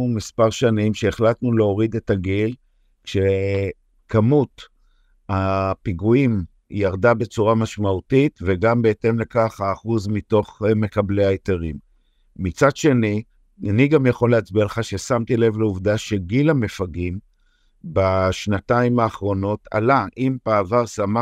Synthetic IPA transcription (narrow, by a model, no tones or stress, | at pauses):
umispaʁʃanimʃe̞ːχlatnuleo̞ʁid̪e̞taɡil | kʃe | kʰamut | apiɡuim | jaʁdabe̞t͡suʁamaʃmautitveɡambe̞ete̞mle̞kaχaːχuzmito̞χme̞kablejajteʁimː | it͡sadʃe̞ni | aniɡamjaχo̞leat͡sbialeχaʃe̞samt̪ile̞vleuvdaʃe̞ɡilame̞faɡim | baʃnataimaːχʁo̞no̞tʰa̰laʔimpaːvaʁsama